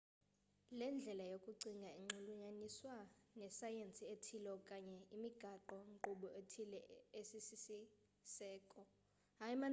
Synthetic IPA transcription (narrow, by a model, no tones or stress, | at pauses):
lɛnd͡ɮʱɛlajokʼuǀiŋɡʱaeŋ͡ǀuluɲaniswanɛsajent͡sʼietʰilɔkʼaɲɛimiɡ̥ʱaǃɔŋǃuɓɔetʰilɛesisisi | sɛːkʼɔ | aima